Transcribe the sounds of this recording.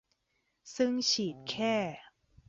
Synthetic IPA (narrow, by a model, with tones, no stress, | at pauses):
sɯ˥˩ŋt͡ɕʰiː˨˩t̪̚kʰɛː˥˩